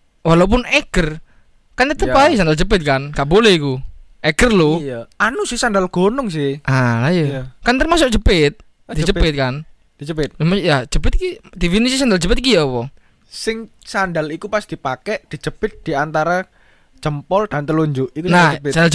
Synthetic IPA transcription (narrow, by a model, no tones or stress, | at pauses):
walop̬ʊneɡ̥ər | kant̪ət̪əpaisandald͡ʒəp̬ɪt̪̚kanɡaʔbolɛhikuʔeɡ̥ərlojanusɪhsandalɡ̥onʊŋs̬ɪhʔalajukant̪ərmas̬ʊk̚d͡ʒəpɪt̪̚ | d̥id͡ʒəpɪt̪̚kan | d̥id͡ʒəpɪt̪̚majad͡ʒəpɪt̪̚kid̪ifinisis̬andald͡ʒəpɪt̪̚kijawɔ | sɪŋsandalikupasd̥ipakɛʔd̥i̤d͡ʒəb̥ɪt̪̚d̪̥iant̪aɾa | t͡ʃəmpɔld̥ant̪əluɲd͡ʒʊʔikunasandald͡ʒ